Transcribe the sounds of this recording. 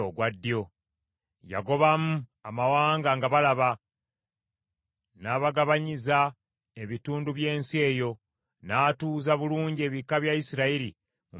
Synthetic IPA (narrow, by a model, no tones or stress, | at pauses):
oɡwadːijo̞ | ja̰ɡo̞βamuamawaːŋɡaŋɡaβalaβa | naːβaɡaβaɲiza | e̞βituːnduβje̞ːnsie̞ːjo̞ | naːtuːzaβuluːɲɟe̞βikːaβjaisiɾaiɾi | mu